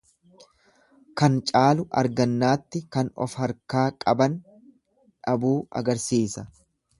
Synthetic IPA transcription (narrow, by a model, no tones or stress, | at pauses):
kɐnt͡ʃʼaːlʊʔɐ̰ɾɡɐnːaːt̪ːɪkɐnɔ̰fhɐɾkaːkʼɐbɐn | ᶑɐbuːɐ̰ɡɐɾsiːsɐ